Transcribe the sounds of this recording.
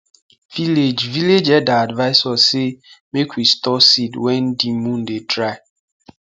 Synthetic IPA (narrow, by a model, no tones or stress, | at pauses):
v̥iled͡ʒviled͡ʒɛdaadvaɪsɔsemekwistɔsidwɛn̩dimũn̩detɾaɪ